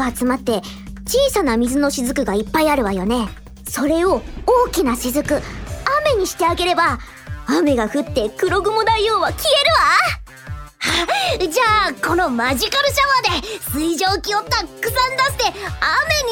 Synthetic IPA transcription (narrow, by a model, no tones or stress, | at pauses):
at͡sɨmat̪ːe̞ | t͡ɕiːsanamʲizɨno̞ɕizɨkɯ̟ɡaipːaiaɾɯ̟βajone̞ | so̞ɾe̞o̞oːkʲinaɕizɨkɯ̟ame̞ɲ̟iɕi̥t̪e̞aɡe̞ɾe̞ba | ame̞ɡaɸɯ̟t̪ːe̞kɯ̟ɾo̞ɡɯ̟mo̞d̪aijo̞ːβakʲʰie̞ɾɯ̟βa | had͡ʑaːko̞no̞maʑikaɾɯ̟ɕaβad̪esɨiʑoːkʲiokt̪ːakɯ̟zãnd̪ast̪eame̞ɲ̟i